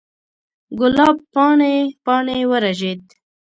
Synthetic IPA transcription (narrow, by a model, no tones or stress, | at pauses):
ɡʊlɑbpɑnepɑnewəɾaʒed̪